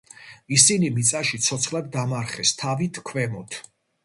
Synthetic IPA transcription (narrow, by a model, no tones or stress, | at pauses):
isinimit̪sʼaʃit̪sʰɔt̪sʰχlad̪dːamaɾχɛst̪ʰavit̪ʰkʰvɛmɔt̪ʰ